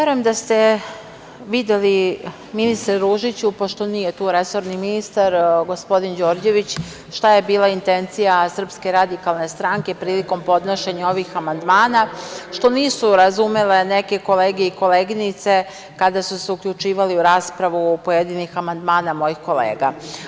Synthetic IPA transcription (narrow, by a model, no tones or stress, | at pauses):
eɾojemd̪ast̪e̞ | ʋid̪jeli | minist̪ɾeɾuːʒit͡ɕupo̞ʃt̪o̞niːje̞t̪uːɾe̞so̞ɾniminist̪aɾɡo̞spo̞d̪ind͡ʑo̞ːɾd͡ʑe̞ʋit͡ɕ | ʃt̪aje̞biːlaint̪e̞nt̪sijasr̩pske̞ɾad̪ikalˠne̞st̪ɾaŋke̞pɾiːliko̞mpo̞d̪noʃeɲao̞ʋixamand̪maːnaʃt̪o̞niːsuɾazumele̞neke̞ko̞leːɡeiko̞leːɡinit̪se̞ | kad̪asuseukʎut͡ʃiːʋaliuɾaːspɾaʋupojed̪inixamand̪maːnamo̞jixko̞lḛːɡa